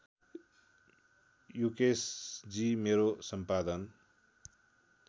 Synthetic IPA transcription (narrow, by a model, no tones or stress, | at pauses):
jukesd͡zimeɾosʌmpad̪ʌn